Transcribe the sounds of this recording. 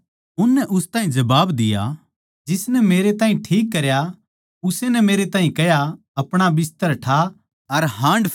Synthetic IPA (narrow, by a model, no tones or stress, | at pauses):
ʊnːɛʔʊst̪aːɦĩd͡ʒɐbaːbd̪ɪja̰ | d͡ʒɪsnɛmeːɾet̪aːɦĩʈʰiːkːɐɾja | ʊsenɛmeːɾet̪ãːɦĩkɛja | ɐpɽ̃abɪs̬t̪əɾʈʰa | ɐɾɦãːɳɖ